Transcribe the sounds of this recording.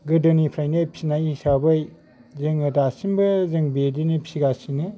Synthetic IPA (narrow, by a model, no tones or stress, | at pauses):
ɡɯdɯnipʰɾajnɯpʰi̥sinajisabɯj | zɯŋɯtasimbɯzɯŋbedinipʰi̥siɡasinɯ